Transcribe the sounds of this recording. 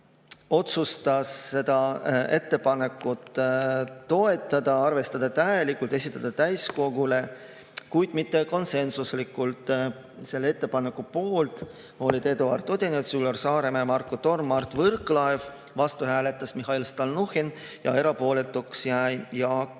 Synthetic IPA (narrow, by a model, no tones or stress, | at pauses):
o̞t̪sust̪ɑsːe̞d̪̥ɑe̞t̪ːe̞pɑne̞kːˑut̪ː | o̞e̞t̪ːˑɑd̪̥ɑɑrve̞st̪ɑd̪̥ɑt̪æjelikːˑult̪e̞s̬ʲit̪ːˑɑd̪̥ɑt̪æjsko̞ɡ̥ule̞ | kujd̪̥mit̪ːe̞ko̞nse̞nsuslikːˑult̪ˑ | se̞lːee̞t̪ːe̞pɑne̞kːˑupo̞ːlt̪ | o̞lʲit̪e̞d̪uɑ̰rt̪ːˑo̞d̪ʲenet̪sylorsɑːɾe̞memɑrkːot̪o̞rmːɑrt̪ːvɤrkˑlɑev | vɑst̪uɦæːlet̪ːˑɑsmiɦɑilst̪ɑlnuhin | jɑ̰e̞ɾɑpo̞ːle̞t̪ːˑuksjæjjɑ